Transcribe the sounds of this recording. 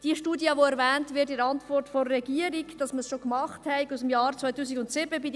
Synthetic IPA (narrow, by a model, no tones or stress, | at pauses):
d̥iʃtuːdjəʋoɛɾvɛːntvɪɾtɪɾɑntvɔrtfɔrːɛɡiəɾikd̥ɑsməsʃokmɑχthɛɪkusəmjɑːɾt͡svajtuːsiɡʊntsɪbəbid